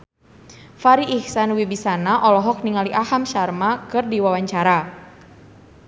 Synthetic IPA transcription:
faɾiʔihsanwibisanaʔɔlɔɦɔk̚niŋaliʔahamʃarmakɨrdiwawaɲt͡ʃaɾa

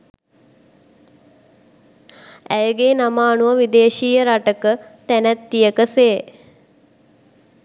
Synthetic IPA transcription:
æjəɡeːnamaːnuʋəʋid̪eːʃiːjəɾaʈəkət̪ænæt̪ːijəkəseː

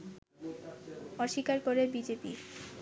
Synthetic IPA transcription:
ɔʃikaɾkoɾebid͡ʑepi

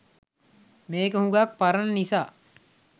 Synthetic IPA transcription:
meːkehũɡaːk̚pɐɾɐnnisaː

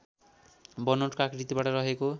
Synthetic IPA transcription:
bʌnoʈkakɾit̪ibaʈʌɾʌɦeko

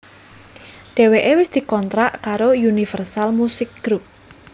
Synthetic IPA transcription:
ɖ̥e̤weʔewɪsd̪̥i̤kɔnt̪ɾaʔkaɾojunifɛrsalmusɪk̚ɡ̥ɾup̚

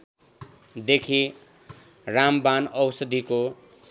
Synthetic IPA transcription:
d̪ekʰi | rambanʌwsʌd̪iko

